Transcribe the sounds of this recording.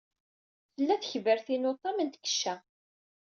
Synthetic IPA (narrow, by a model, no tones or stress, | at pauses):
θəlːæθəçvəɾθinot̪ˤːɑmənt̪kːə̥ʃːæ